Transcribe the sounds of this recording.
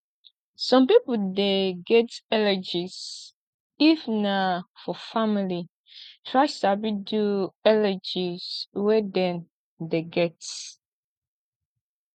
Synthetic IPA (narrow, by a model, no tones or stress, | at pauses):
sɔ̃mpipudeɡɛtɛlɛd͡ʒis | ifnafɔfamili | tʰɹaɪsabiduɛlɛd͡ʒiswɛdɛ̃n | deɡɛt